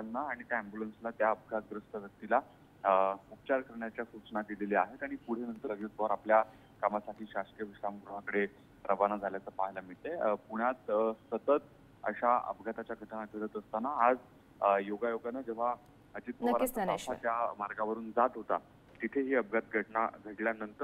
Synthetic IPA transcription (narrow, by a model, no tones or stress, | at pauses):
anːaːɽ̃it̪jaæmbjulənslat̪jaəp̚ɡʱat̪̚ɡɾəst̪əʋjək̚t̪ila | up̚t͡ɕaɾkəɾɳjat͡ɕjasut͡ɕɳad̪ileliaɦet̪aɽ̃ipuɽ̤enənt̪əɾəɡit̪̚bəaɾaplja | kamasaʈʰiːɕaʂkijəʋiɕɾamɡɾuɽ̤akəɽe | ɾʔəʋanad͡zʱaljat͡səpaɦjlamiɭt̪epuɽ̃jat̪sət̪ət̪ | ə̰ɕaə̰pɡʱat̪at͡ɕjaɡʱəʈɳaɡʱəɽət̪əst̪anaːd͡z | joɡajoɡanad͡ʑeʋ̤a | əd͡ʑiːt̪̚bəʋaɾpasatjamaɾɡaʋəɾuːnd͡zat̪ɦot̪a | t̪it̪ʰeɦiəp̚ɡʱat̪̚ɡʱəʈɳa̰ɡʱəʈljanənt̪əɾ